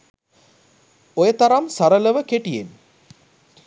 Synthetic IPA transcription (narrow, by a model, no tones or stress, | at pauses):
ojət̪aɾamsaɾələʋəkeʈijḛn